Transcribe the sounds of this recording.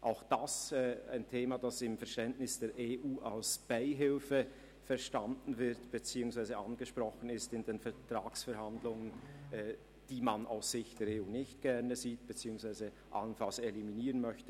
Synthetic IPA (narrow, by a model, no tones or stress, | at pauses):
ʔaʊxd̥asɛːa̰ɪntʰeːmad̥asɪmfɛɐʃtɛntnɪsd̥eːɾʔeːʔuːʔalsb̥aɪɦɪlfə | fɛɐʃtandn̩vɪɐtb̥et͡siːʊŋsv̥aɪzəʔanɡ̥əʃprʁ̥ɔxən̩ɪstɪndeːnfɛɐtʁ̥aːksfɛɐhandlʊŋənʔɛː | d̥iːmanʔa̰ʊsz̥ɪçtd̥eːɐɾeːuːnɪçtɡ̥ɛʁnəziːt̚b̥ət͡siːʊŋsv̥aɪzə | ʔa̰lənfalseliminiːʁənmœçtə